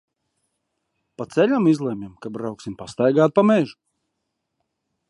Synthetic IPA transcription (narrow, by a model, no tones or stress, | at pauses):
pat̪sɛlʲamizlˠɛmʲɛmkabɾawksimpast̪ajɡaːt̪̚pameʒu̥